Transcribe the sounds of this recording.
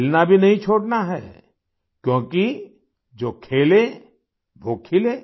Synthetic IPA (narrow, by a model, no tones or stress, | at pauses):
lnabʱinɐɦĩt͡ʃʰoːɽnaɦɛː | kjõːki | d͡ʒoːkʰeːle | ʋoːkʰɪleː